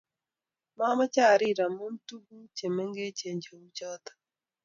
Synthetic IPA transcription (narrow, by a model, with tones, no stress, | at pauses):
ma˦ma˦t͡ʃa˦˨ɾi˦˨ɾa˨mu˦n˦tu˦ɡu˦t͡ʃe˨me˦ŋɡe˦ce˨ɲd͡ʒo˨wu˦t͡ʃɔ˦t̪ḁ˨